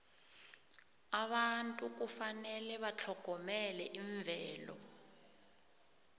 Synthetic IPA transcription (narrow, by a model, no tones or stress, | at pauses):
aɓantʼuk̬ufanɛlɛβat͡ɬʰɔɡ̥ʱɔmɛlɛʔiɱvʱɛːlɔ̰